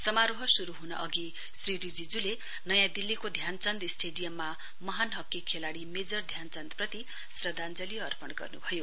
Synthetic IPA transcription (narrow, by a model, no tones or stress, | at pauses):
sʌmaɾoɦʌsuɾuɦunʌʔʌɡi | sriɾid͡zid͡zule | nʌjãd̪ilːikod̪ʱjant͡sʌnd̪isʈeɖijʌmːa | mʌɦanɦʌkːikʰːelaɽimed͡zʌrd̪ʱjant͡sʌnd̪prʌt̪i | srʌd̪and͡zʌliʌrpʌnɡʌ̰rnubʱʌjo